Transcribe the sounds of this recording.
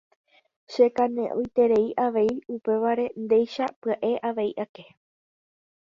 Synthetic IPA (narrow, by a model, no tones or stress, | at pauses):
ʃe̞kanẽ̞ʔõ̰jt̪e̞ɾe̞iʔaʋe̞jupe̞ʋaɾe̞nd̪e̞jʃapɨaʔe̞ʔaʋe̞iʔake̞